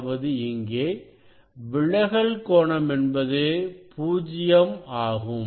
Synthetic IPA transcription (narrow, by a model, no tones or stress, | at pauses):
ʋɐðɯɪŋɡeː | ʋɪɭːɐɣɐɭkoːɳɐmɛnbɐðeːpuːd͡ʒɪjɐmaːɣɯm